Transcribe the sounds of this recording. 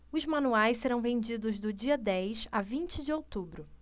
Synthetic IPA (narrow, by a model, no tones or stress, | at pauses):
ʊzmɐ̃nuajsseɾɐ̃w̃vẽnd͡ʒid̪ʊzd̪ʊd͡ʒiɐd̪ɛjsavĩnt͡ʃɪd͡ʒɪowt̪ubɾʊ